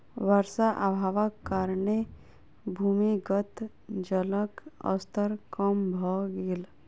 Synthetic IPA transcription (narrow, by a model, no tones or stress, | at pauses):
ʋəɾsaʔabʱaːʋəkːaɾne | bʱuːmiɡət̪ | d͡ʒələkə̰st̪ʰəɾkəmbʱɔɡel